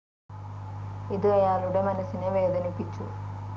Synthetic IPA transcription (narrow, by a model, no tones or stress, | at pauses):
id̪uʋɐjaːluɽɐmɐnɐsinimɐjed̪ɐnipit͡ʃːṵ